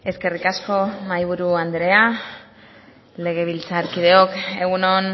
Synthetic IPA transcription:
e̞ske̞rikasko̞majβ̞uɾuand̪ɾe̞a | le̞ɣ̞e̞β̞ilt͡saɾkið̞e̞o̞ke̞ɣuno̞n

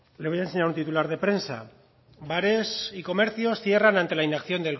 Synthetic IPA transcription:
le̞βo̞jaense̞ɲaɾunt̪it̪ulaɾð̞e̞pɾe̞nsa̰ | baɾe̞siko̞me̞ɾθjo̞sθje̞ranant̪e̞lainakθjo̞nd̪e̞l

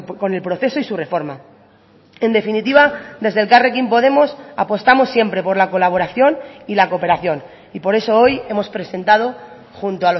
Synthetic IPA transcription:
ko̞ne̞lpɾo̞θe̞so̞isure̞fo̞ɾma | e̞nd̪e̞finit̪iβ̞ad̪e̞zðe̞lkarekimpo̞ð̞e̞mo̞sa̰po̞st̪amo̞sːje̞mpɾe̞po̞ɾlako̞laβ̞o̞ɾaθjo̞nilako̞pe̞ɾaθjo̞n | ipo̞ɾe̞so̞o̞je̞mo̞spɾe̞se̞nt̪að̞o̞ | xunt̪oalo

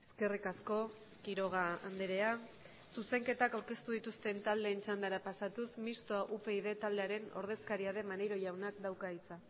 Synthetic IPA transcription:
e̞ske̞rikasko̞ | kiɾo̞ɣ̞aand̪eɾe̞a | suse̞ŋke̞t̪akawɾke̞st̪uð̞it̪ust̪e̞nt̪ald̪e̞ːnt͡ʃand̪aɾapasat̪usmist̪oaʔupe̞iðe̞t̪ald̪e̞aɾe̞no̞̰ɾð̞e̞skaɾiaðe̞manejɾo̞ʝawnakd̪awkait͡sa

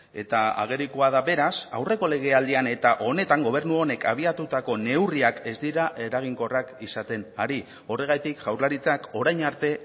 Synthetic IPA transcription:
e̞t̪aa̰ɣ̞e̞ɾikoað̞aβe̞ɾasawre̞ko̞le̞ɣ̞e̞ald̪iane̞t̪aʔo̞ne̞t̪aŋɡo̞β̞e̞ɾnuo̞ne̞kaβ̞iat̪ut̪ako̞ne̞wriake̞zd̪iɾaʔe̞ɾaɣ̞iŋko̞rakisat̪e̞naɾi | o̞re̞ɣ̞ajt̪ikʝawɾlaɾit͡sako̞ɾajɲaɾt̪e̞

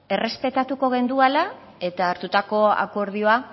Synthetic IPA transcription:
e̞re̞spe̞t̪at̪uko̞ɣ̞e̞nd̪uala | e̞t̪aːɾt̪ut̪ako̞a̰ko̞ɾð̞io̞a

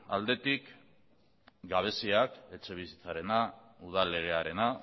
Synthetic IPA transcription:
a̰ld̪e̞t̪ik | ɡaβ̞e̞siake̞t͡ʃe̞β̞isit͡saɾe̞na | uð̞ale̞ɣ̞eaɾe̞na

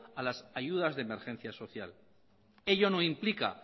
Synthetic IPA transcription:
alasaʝuð̞azðeme̞ɾxẽ̞n̟θjaso̞θja̰l | e̞ʎo̞no̞implika̰

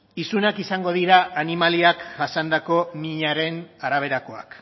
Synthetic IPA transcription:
isunakisaŋɡo̞ðiɾaanimaliakɡasand̪ako̞miɲaɾe̞naɾaβ̞e̞ɾako̞a̰k

